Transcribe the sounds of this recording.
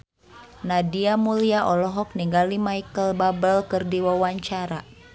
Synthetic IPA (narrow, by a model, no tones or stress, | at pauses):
nadiamuliaʔɔlɔɦɔk̚niŋɡalimaikəlbabəlkɨrdiwawaɲt͡ʃaɾa